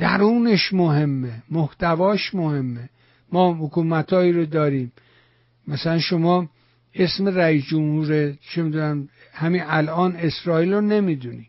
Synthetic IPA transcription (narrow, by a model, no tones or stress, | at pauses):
d̪̥æɾuːneʃmoɦe̞mːemoht̪ʰævɒːʃmohe̞mːe | mɒːhokuːmæt̪ʰɒːiːɾod̪ɒːɾiːm | mæsælænʃomɒː | e̞sme̞ɾæiːsd͡ʒomhuːɾet͡ʃʰemid̪unæm | hæmiælɒːne̞sɾɒːiːlɾone̞mid̪uni̥ː